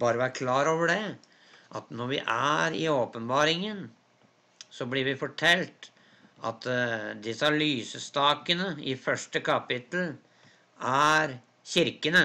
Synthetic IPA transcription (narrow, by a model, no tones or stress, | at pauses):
bɑːɾəʋæːɾkʰlɑːɾoːʋəɖɛ | ʔɑt̪nɔɾʋɪ̰ʔæɾɪ̰oːpənbɑːɾɪŋən | sɔblɪɾʋɪfɔʈʰɛlt̪ | ʔɑ̰t̪d̪ɪsəɑlyːsəst̪ɑːkənəɪfœʂʈəkɑpɪt̪l̩ | æɾ | çɪɾkənə